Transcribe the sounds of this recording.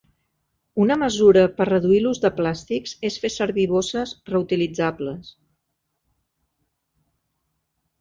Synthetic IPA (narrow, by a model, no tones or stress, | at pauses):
unəməzuɾəpərrəðuiluzðəplast̪ikz̥esfesəɾβiβ̞osəzrəut̪ilid͡zabləs